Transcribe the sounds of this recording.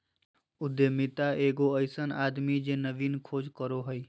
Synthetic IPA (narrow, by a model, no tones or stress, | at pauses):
ʊd̪emɪt̪aeːɡoəɪsənaːd̪mid͡ʒenəʋiːnkʰoːd͡ʒkəɾoɦəi